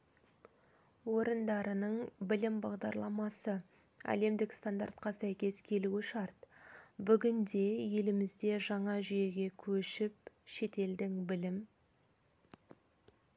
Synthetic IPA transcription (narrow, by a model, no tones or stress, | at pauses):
wo̞ɾənd̪ɑɾənəɴbɪlɪmbɑʁd̪ɑɾlˠɑmɑsə | æ̰le̞md̪ɪkst̪and̪a̰rt̪qɑsæjkʲe̞skʲʰe̞luwɪʃɑɾt̪bʏɡʲɪnd̪e̞je̞lɪmɪzd̪e̞ʒɑɴɑʒʏje̞ɡʲe̞kʲʰɵʃɪp̚ | ʃe̞t̪e̞ld̪ɪŋbɪlɪm